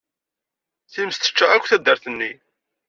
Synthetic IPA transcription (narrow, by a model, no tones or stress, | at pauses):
θiməst̪ə̥t͡ʃːaækʷːθæd̪ːəɾθənːi